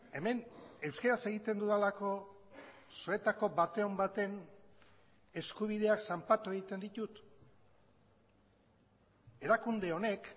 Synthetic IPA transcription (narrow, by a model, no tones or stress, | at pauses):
e̞me̞ne̞wskaɾase̞ɣit̪end̪uðalako̞ | sue̞t̪ako̞βat̪e̞o̞mbat̪e̞n | e̞skuβ̞ið̞e̞aksampat̪ue̞ɣit̪e̞nd̪it̪ut̪ | e̞ɾakund̪e̞o̞ne̞k